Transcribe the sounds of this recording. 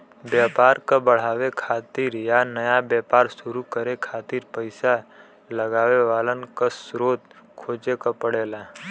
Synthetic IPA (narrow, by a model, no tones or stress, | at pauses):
bjaːpaːɾkabəɽ̤aːʋekʰaːt̪iɾjanəjabjaːpaːɾsʊɾukəɾekʰaːt̪iːɾpəɪsa | ləɡaːʋeʋaːlənkasɾoːt̪̚kʰoːd͡ʒekapəɽeːlaː